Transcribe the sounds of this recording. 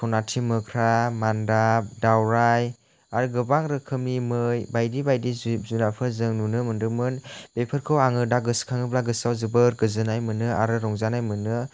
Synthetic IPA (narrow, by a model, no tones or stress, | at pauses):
sʰɔnatʰimɯkʰɾamandap̚dawɾaj | aɾɯɡɯbaŋɾɯkʰɯmnimɯjbajdibajdizunapʰɯzɯŋnunɯmɯndɯmɯnb̥epʰɯɾkʰɯwaŋɯdaɡɯskʰaŋɯplaɡɯsawzɯbɯɾɡɯzɯnajmɯnɯʔa̰ɾɯɾɔŋzanajmɯnɯ